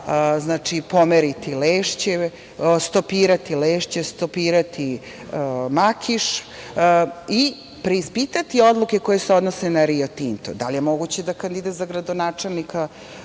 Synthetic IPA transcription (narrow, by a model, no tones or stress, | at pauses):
znaːt͡ʂipo̞meɾit̪ileːʂt͡ɕe | st̪opiːɾat̪ileːʃt͡ɕest̪opiːɾat̪ʰi | makʰiʂ | i | pɾe̞ispit̪at̪io̞d̪lˠuke̞ko̞je̞seo̞d̪nose̞naɾiot̪int̪o̰d̪a̰lijemo̞ɡut͡ɕed̪akand̪id̪at̪zaɡɾad̪onaːt͡ʂelˠnika